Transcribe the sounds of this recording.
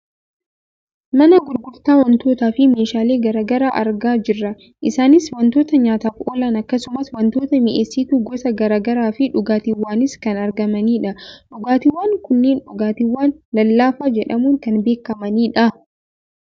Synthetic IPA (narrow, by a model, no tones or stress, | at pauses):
mɐnɐɡʊɾɡʊɾt̪aːwɐnt̪o̞ːt̪aːfɪme̞ːʃaːle̞ːɡɐɾaːɡɐɾaːʔɐ̰ɾɡaːd͡ʒɪrːɐ | ʔɪsaːnɪswɐnt̪o̞ːt̪ɐɲaːt̪aːfoːlaːnɐkːɐsʊmɐswɐnt̪o̞ːt̪ɐmɪʔeːsːiːt̪uɡɔsɐɡɐɾaːɡɐɾaːfɪᶑʊɡaːt̪ɪwːaːnɪskɐnɐɾɡɐmɐniːᶑɐᶑʊɡaːt̪ɪwːaːŋkʊnːeːnᶑʊɡaːt̪ɪwːaːnlɐlːaːfaːd͡ʒɛᶑɐmuːŋkɐnbe̞ːkːɐmɐniːᶑɐ